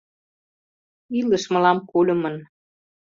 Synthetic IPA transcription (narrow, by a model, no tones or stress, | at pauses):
iləʃmə̆lɑmkulʲə̆mən